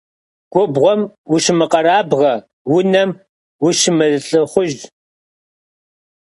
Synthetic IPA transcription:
ɡ̥ʷʊbʁʷɔmwʊʃɪmɨqɐɾaːbʁɐ | wʊnɐm | wʊʃɪmɨɮɨɬʼɨχʷʊʒd

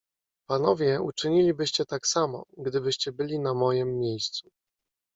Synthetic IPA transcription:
panɔvʲjɛut͡ʂɘɲilʲibɘɕt͡ɕɛt̪aksamɔ̰ɡd̪ɘbɘɕt͡ɕɛbɘlʲinamɔjɘmːjejst̪su̥

